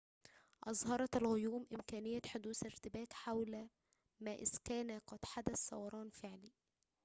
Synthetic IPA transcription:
ʔɑzˤhɑɾˤɑt̪ɪlɣʊjuːmʔɪmkæːnɪjːæħod̪uːsɪɾt̪ɪbæːt̪ħawlæ | mæːʔɪskæːnæqɑd̪ħad̪æsːɑ̰wɑɾˤɑːnfɪʕliː

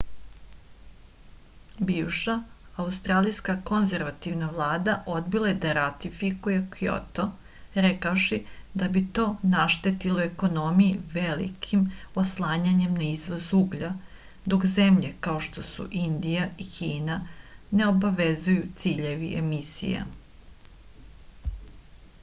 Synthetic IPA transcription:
biːʋʃaːust̪ɾaːlijskako̞nze̞ɾʋat̪iʋnaʋlˠaːd̪aʔo̞d̪bilˠajed̪aɾat̪ifikuje̞kijo̰t̪o | ɾekaoʃid̪abit̪o̞ːnaʃt̪et̪iloeko̞no̞mijiʋelḭkʰimoslˠaːɲaɲe̞mnaizʋozuɡʎa | d̪o̞kzemʎe̞kao̞ʃt̪o̞sṵʔind̪ijaikiːnane̞o̞baʋezujut̪siːʎe̞ʋḭʔḛmisḭja̰

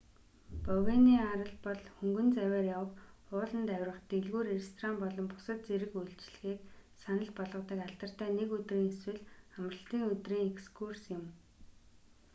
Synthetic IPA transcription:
pœwɣeniːaɾə̆ɮpɔɮxɵŋɡɵ̆nt͡sæwæːrjawə̆χʊːɮə̆nt̪æwʲrə̆χt̪eɮɣuːɾerst̪ʰrampɔɮɞ̆mpʊ̥sə̆t̪̚t͡seɾɘ̆xuɮt͡ɕɮxiːk̚sanə̆ɮpɔɮʁə̆t̪ə̆kaɮt̪ə̆r̥t̪ʰæːnekɵt̪riːŋeswɘ̆ɮχamrə̆ɬt̪iːŋɵt̪riːŋekskʰursjɪ̆m

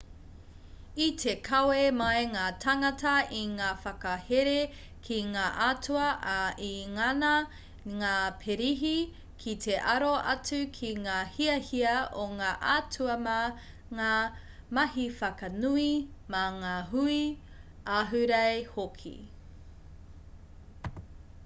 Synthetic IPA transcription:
itʰekʰɐwemɐjŋaːtʰɐŋɐtɐiŋaːfɐkɐheɾe | kʰiŋaːʔatuɐʔaʔiŋɐnɐ | ŋaːpʰeɾiɦi | kʰitʰeʔɐɾoʔɐt͡sʉkʰiŋaːhiɐhiɐʔoŋaːʔat͡sʰuɐmɐ | ŋaː | mɐhifɐkɐnuimɐŋaːɦui | aːɦʉɾɐjhokʰḭ

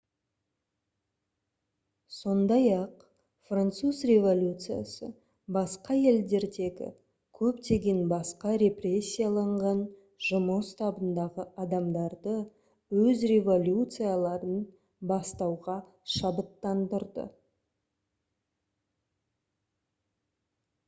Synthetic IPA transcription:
so̞nd̪ɑjɑq | frant̪suzrʲe̞vo̞lʲut̪sɨja̰sə̰ | bɑsqɑje̞ld̪e̞ɾd̪e̞ɡʲɪ̰ | kʲʰɵpt̪e̞ɡʲe̞nbɑsqɑɾʲe̞prʲe̞sʲːijalˠɑɴʁɑn | ʒ̥ʊməst̪ɑbənd̪ɑʁəɑd̪ɑmd̪ɑɾd̪ə | wɵzrʲe̞vo̞lʲjut̪sɨjalˠɑɾən | bɑst̪ɑwʁɑ | ʃɑbət̪ːɑnd̪əɾd̪ə̰

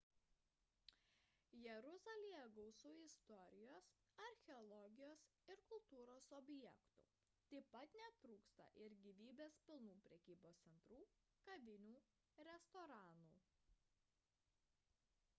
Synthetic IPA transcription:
jɛɾʊzɐlʲijɛɡɔʊsʊːɪst̪ɔɾʲɪjoːs | ɐɾʲxʲɛɔlˠɔɡʲɪjoːsɪɾkʊlˠt̪uːɾoːsɔbʲjɛkt̪ṵː | t̪ɐɪpɐt̪nʲɛt̪ɾuːkst̪ɐ̰ʔɪɾɡʲiːʋʲiːbʲeːspʲɪlˠnuːpʲɾʲɛkʲiːboːssʲɛnt̪ɾuː | kɐʋʲɪnʲuː | ɾʲɛst̪ɔːɾɑːnuː

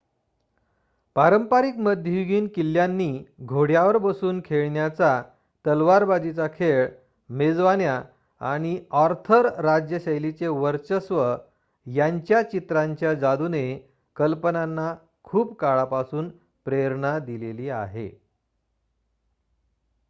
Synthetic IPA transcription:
paɾəmpaɾikməd̪ʱjəjuɡiːnkilːjanːiːɡʱoɽjaʋəɾbəsuːnkʰeɭɳjat͡sa | t̪əlʋaɾbad͡ʑit͡sakʰeɭ | med͡zʋanja | a̰ɽ̃iɔɾt̪ʰəɾːad͡ʑjəɕəjlit͡seʋəɾt͡ɕəsʋə | jaɲt͡ɕjat͡ɕit̪ɾaɲt͡ɕjad͡zad̪une | kəlpənanːa | kʰuːpkaɭapasuːn | pɾeɾɳad̪ileliːa̰ɦḛ

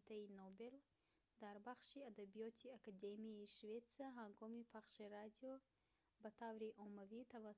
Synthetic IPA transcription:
t̪ʰainobel | d̪aɾbaχʃiad̪abijɔt̪ʰiakad̪emijeiʃvet̪siaɦaŋɡɔmipʰaχʃiɾad̪iɔ | bat̪ʰavɾiʔɔmavit̪ʰava

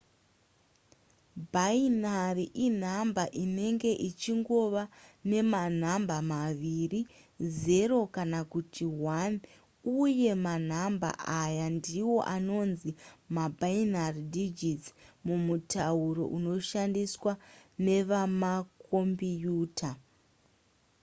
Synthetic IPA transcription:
bʱainariʔin̤ambaʔine̞ŋɡe̞ʔit͡ʃiŋɡo̞ʋane̞man̤ambamaʋiri | ze̞ɾo̞kanakutiwan | uje̞man̤amba̰ʔajandiwo̞ʔano̞nzimabʱainaridid͡ʒit͡smumutauɾo̞̰ʔuno̞ʃandiswane̞ʋamakʰo̞mbijuːtʰa

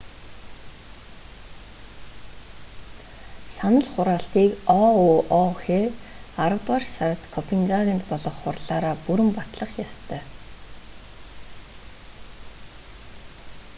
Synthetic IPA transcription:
sanə̆ɮχʊɾaːɬt̪iːkɔuɔxeːaɾə̆wt̪ʁarʃsaɾə̆t̪kʰɔpʰiŋɡaɣʲə̆nt̪pɔɮɞ̆χːʊrɮaːɾaːpuɾɘ̆mpat̪ɮə̆χjɔst̪ʰœː

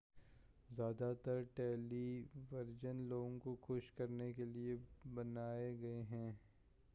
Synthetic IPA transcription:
zjaːd̪at̪ɐɾʈɛːliʋɐɾd͡ʒənloːɡõkoxʊʃkɐɾnekeliebɐnaːeɡɐeɦɛ̃ː

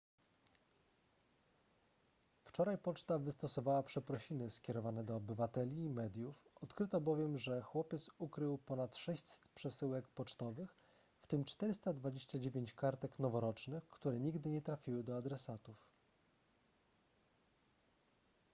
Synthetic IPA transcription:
ft͡ʂɔɾajpɔt͡ʂt̪avɘst̪ɔsɔvawapʂɛpɾɔɕinɘskʲɛɾɔvanɛd̪ɔːbɘvat̪ɛlʲiːmɛd̪ʲjufɔt̪kɾɘt̪ɔbɔvʲjɛmʐɛxwɔpʲjɛt̪sukɾɘwpɔnat̪ʂɛɕt͡ɕsɛ̥t̪pʂɛsɘwɛkpɔt͡ʂt̪ɔvɘx | ft̪ɘmt͡ʂt̪ɛɾɘst̪ad̪vad͡ʑeɕt͡ɕad͡ʑevʲjeɲt͡ɕkaɾt̪ɛknɔvɔɾɔt͡ʂnɘxkt̪uɾɛɲiɡd̪ɘɲɛt̪ɾafʲiwɘd̪ɔad̪ɾɛsat̪uf

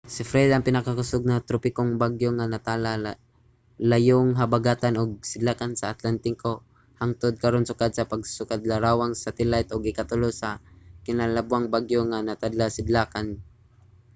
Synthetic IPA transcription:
sɪfɾɛd̪aʔaŋpɪnakakʊsʊɡ̚nat̪ɾopɪkoŋbaɡjoŋanat̪ala | lajoŋɦabaɡat̪anʔoɡ̚sɪd̪laːkansaːt̪lant̪ɪko | haŋt̪ʊd̪̚kaɾonsʊkad̪̚sapaɡ̚sʊkad̪laɾawaŋsat̪ɛlajt̪ʔʊɡɪkat̪ʊlosakɪnalabwaŋbaɡjoŋanat̪ad̪lasɪd̪laːkan

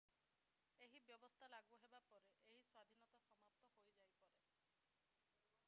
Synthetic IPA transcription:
eɦibjɔbɔst̪ʰalaɡuɦebapɔɾeʔeɦiswad̪ʱinɔt̪asɔmap̚t̪ɔhojd͡ʒajpɔɾe

